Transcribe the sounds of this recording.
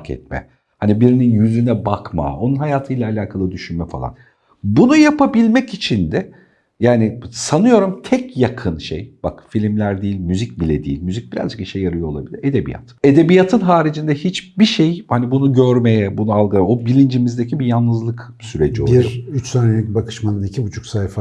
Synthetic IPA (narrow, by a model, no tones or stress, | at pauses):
kʰɛ̰t̪̚mɛ̰ | hanibiɾininjyzynɛbakma̰o̞nunɦajaːt̪ʰɯjlʲˠaːlʲaːkʰalˠɯd̪yʃynmɛfa̰lˠa̰n | bunujapabilʲmɛcit͡ʃʰind̪ɛ | jaːnisanɯjo̞ɾumt̪ʰɛcjakʰɯnʃḛjb̥a̰kfilʲimlʲæɾd̪iːilʲmyzic̚bilʲɛd̪ḭːḭlʲmyzic̚biɾa̰zd͡ʒɯk̚biʃejːaɾɯjo̞lˠabilʲiɾe̞d̪e̞bḭja̰t̪ʰe̞d̪e̞bijat̪ʰɯnɦaːɾid͡ʒind̪ɛhit͡ʃbiʃejhanibunuɟøɾme̞jɛbunualˠɡaobilʲind͡ʒimizd̪ecʰibijanːɯzlˠɯk | syɾe̞d͡ʒiobiɾyt͡ʃsaːnelʲic̚bakʰɯ̥ʃmanɯnicʰibut͡ʃʰu̥ksajfa